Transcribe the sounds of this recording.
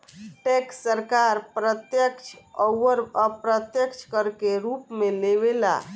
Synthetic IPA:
ʈekssəɾkaɾpɾət̪jəkt͡ʃʰəʋəɾəpɾət̪jəkt͡ʃʰkəɾkeɾupmeleβela̰

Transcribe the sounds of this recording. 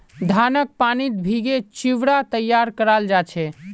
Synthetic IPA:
d̪ʱanək̚panit̪̚bʱiɡet͡ʃiʋɽat̪əjːaɾkəɾald͡ʒat͡ʃʰɛ

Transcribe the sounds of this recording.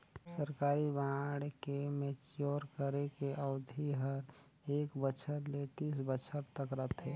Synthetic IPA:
səɾkaːɾibãːɽkemet͡ʃjoːɾkəɾekeʔəʊd̪ʱiɦəɾ | eːkbət͡ʃʰəɾlet̪iːsbət͡ʃʰəɾt̪əkɾət̪ʰɦɛː

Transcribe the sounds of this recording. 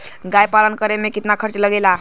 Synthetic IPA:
ɡajpalənkəɾemekit̪nakʰəɾt͡ʃləɡela

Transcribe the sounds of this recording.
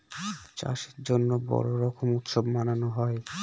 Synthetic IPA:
t͡ɕa̰ʃi̥ɾd͡ʑonːobɔ̰ɾoɾɔkʰomut̪ʃobmananoɦɔe

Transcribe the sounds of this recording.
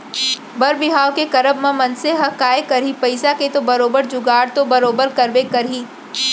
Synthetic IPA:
bɐɾbɪɦaːʋkekɐɾəbmãmɐnseɦɐkaːekɐɾipɐɪsaket̪obɐɾoːbəɾd͡ʒʊɡaːɾt̪obɐɾoːbəɾkɐɾbekɐɾɦiː

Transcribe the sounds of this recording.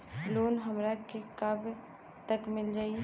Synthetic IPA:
loːnɦəmɾakekəb | t̪əkmɪld͡ʒaːie

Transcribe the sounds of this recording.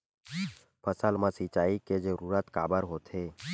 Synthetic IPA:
pʰəsəlmãsit͡ʃaːiked͡ʒeɾuːɾət̪ka̰ːbəɾɦoːt̪ʰɦeː

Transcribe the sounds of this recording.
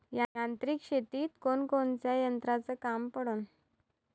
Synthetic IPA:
jaant̪ɾiːkɕet̪iːt̪konkont͡sjajənt̪ɾat͡səːkampəɽuːn

